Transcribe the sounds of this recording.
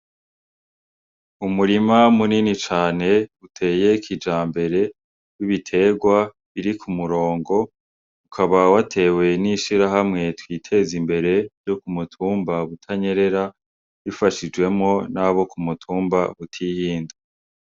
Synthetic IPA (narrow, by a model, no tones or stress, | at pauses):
umuɾimamuninit͡ʃaːne̞utʰe̞ːje̞kʰid͡ʒaːmbe̞ɾe̞ | wiβitʰe̞ɡwa | βiɾikʰumuɾo̞ːŋɡo̞ | ukʰaβawatʰe̞ːwe̞niʃiɾaɦamŋe̞twiːtʰe̞zimbe̞ɾe̞jo̞kumutʰuːmbaβutʰaɲe̞ɾe̞ɾa | βifaʃid͡ʒɡwe̞mŋo̞naβo̞kumutʰuːmba̰βutʰihiːnda